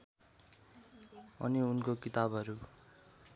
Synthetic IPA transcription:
ʌ̰niunkokit̪abʱʌɾu

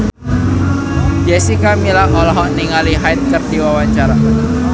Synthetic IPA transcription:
d͡ʒɛsikamilaŋɔlɔɦɔʔniŋaliɦajt̪̚kərdiwawaɲt͡ʃaɾa

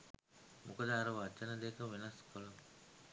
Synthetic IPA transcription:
mʔukɐd̪aːɾɐʋɐt͡ʃːɐnɐd̪eːkɐʋinɐskʰolum

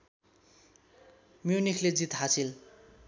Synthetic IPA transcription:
mjunikʰled͡zit̪ɦasil

